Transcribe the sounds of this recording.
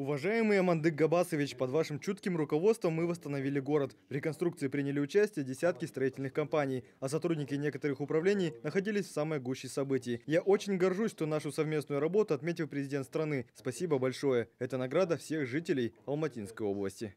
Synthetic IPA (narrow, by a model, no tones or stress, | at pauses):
ʊvɐʐajɪmɨjɐmɐnd̪ɨk̚ɡɐbasəvʲɪt͡ɕpɐd̪vaʂɨmt͡ɕut̪kʲɪmrʊkɐvo̞t̪st̪vəmːɨvəst̪ənɐvʲilʲɪɡo̞ɾət̪vɾʲɪkɐnt̪ɾukt̪sɨɪpɾʲinʲɪlʲɪʊt͡ɕæsʲtʲɪjədʲɪsʲæt̪kʲɪst̪ɾɐitʲɪlʲnɨxkɐmpanʲɪj | ɐsɐt̪ɾudʲnʲɪkʲɪnʲe̞kət̪əɾɨxʊpɾɐvlʲenʲɪjnəxɐdʲilʲɪsʲfsamɨjəɡuɕːɪjsɐbɨtʲɪjɪjaʔot͡ɕɪnʲɡɐrʐusʲʂt̪o̞naʂʊsɐvmʲe̞snʊjʊɾɐbo̞t̪ʊɐt̪mʲetʲɪlˠpɾʲɪzʲɪdʲet̪st̪ɾɐnɨspɐsʲibəbɐlʲʂo̞jəɛt̪ənɐɡɾad̪əfsʲe̞xʐɨtʲɪlʲɪjɐlˠmɐtʲinskəjo̞blˠə̰sʲtʲɪ